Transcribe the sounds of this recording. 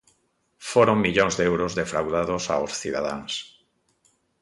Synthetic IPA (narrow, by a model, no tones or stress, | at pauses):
foɾõŋmiʎõŋzðeewɾozðefɾawðaðosa̰osθiða̰ða̰ŋs